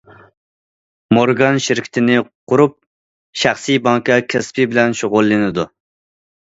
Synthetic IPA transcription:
moɾɡɑnʃɪɾkʲʰi̥t̪ʰɪnɪqʊɾup̚ | ʃæχsijbɑŋkɑkʲʰɛspʰɪbɪlɛnʃoʁʊlˠːɪnɪd̪u

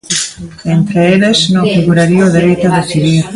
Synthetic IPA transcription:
ent̪ɾeeleznõŋfiɣuɾaɾiooðeɾejt̪oaðeθiðiɾ

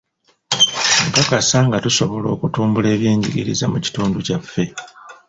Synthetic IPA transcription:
mukakasaŋɡatuso̞βo̞lo̞ːkutuːmbule̞ːβje̞ːɲɟiɡiɾḭzamuci̥tuːnducafːe̞

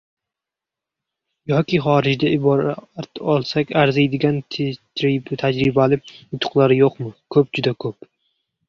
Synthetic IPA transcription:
jɒkʲɪχɒːɾɪd͡ʒd̪aɪbɒɾat̪ɒlˠsakʲaɾzajd̪ɪɡʲan | t̪ʰad͡ʒɾɪbalɪʊt̪ʰʊ̥qlˠaɾɪjoqmɪkʰɵp̚d͡ʒʊd̪akʰɵp

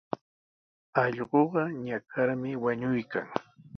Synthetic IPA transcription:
ɑʎɢoɢɑɲakʰaɾmɪwaɲʊjka̰ŋ

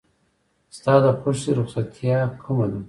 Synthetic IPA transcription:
st̪ɑːd̪əxoʃiɾʊχsat̪ʰjɑkʰumad̪u

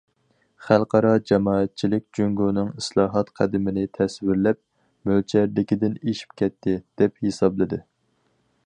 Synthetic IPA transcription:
χælˠqʰɑɾɑd͡ʒɛmɑːɛt̪̚t͡ʃʰilɪk̚ʲd͡ʒyŋɡunɨŋislˠɑːɦɑt̪qʰæd̪ɪmɪnɪt̪ʰɛswɪɾlɛp̚ | mølt͡ʃʰɛɾd̪ɪkʲid̪ɪneʃi̥p̚kʲʰɛt̪ʰːɪd̪̥ɛphesɑblˠɨd̪ɪ

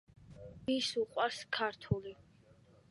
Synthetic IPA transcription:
isuqʼwaɾskʰaɾt̪ʰuli

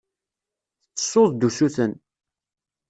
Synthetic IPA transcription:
θət͡sːə̥sːoðˤd̪usuθən

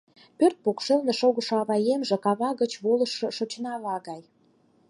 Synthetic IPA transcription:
pørt̪̚pokʃelneʃoɣəʃoɑβɑjemʒĕkɑβɑɣət͡ɕβoləʃŏʃot͡ɕnɑlɑɣɑj

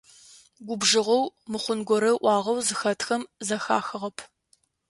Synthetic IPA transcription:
ɡʷʊbʒɨʁɐwmɨχʷʊnɡʷɔɾɐʔʷɑːʁɐwzɨxɐtʰxɐmzɐxa̰ːxɨʁɐpʰ

